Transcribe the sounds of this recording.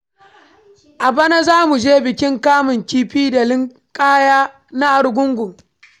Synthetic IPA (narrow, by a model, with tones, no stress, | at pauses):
ʔa˨bɐ˦na˦zaː˦mu˨d͡ʒeː˦bɪ˨kʲɪ˦ŋkaː˦mʊ˨ŋkʲiː˦ɸiː˦da˨lɪ˦ŋ | kʼaː˦jaː˦ | na˦ʔa˨ɽɡʷʊ˦ŋɡʷʊ˨ŋ